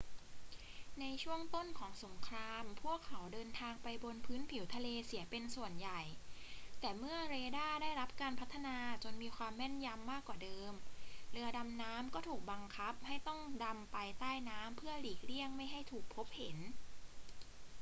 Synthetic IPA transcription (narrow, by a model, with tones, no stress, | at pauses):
na˧jt͡ɕʰu˥˩əŋt̪o˥˩nkʰɔː˩˦ŋso˩˦ŋkʰɾaː˧mpʰu˥˩əkʰːa˩˦wdɤː˧nt̪ʰaː˧ŋpa˧jbo˧npʰɯː˦˥npʰi˨˩˦wt̪ʰa˧leː˧si˩˦ɐpe˧nsu˨˩ənja˨˩jt̪ɛː˨˩mɯ˥˩ɐɾeː˧daː˥˩daː˥˩jɾa˦˥p̚kaː˧npʰa˦˥t̪ʰːa˧naː˧t͡ɕo˧nmiː˧kʰwaː˧mːɛ˥˩nja˧mːaː˥˩kːwaː˨˩dɤː˧mlɯ˧ɐda˧mnaː˦˥mkɔː˥˩t̪ʰuː˨˩k̚ba˧ŋkʰa˦˥p̚ha˥˩jt̪ɔ˥˩ŋda˧mpa˧jt̪aː˥˩jnaː˦˥mpʰɯ˥˩əliː˨˩k̚li˥˩əŋma˥˩jɦa˥˩jt̪ʰuː˨˩k̚pʰo˦˥p̚he˩˦n